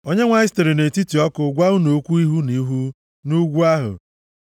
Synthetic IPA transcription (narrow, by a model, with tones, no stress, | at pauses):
o˦ɲe˦ŋʷa˨ɪ˦ste˨ɾi˨ne˨ti˦ti˨ɔ˦kʊ˨ɡʷa˦ʊ˦no˨˦kʷu˦i˦ɦu˦ni˨˦ɦu˦ | nu˦ɡʷu˦a˦ɦʊ̰˨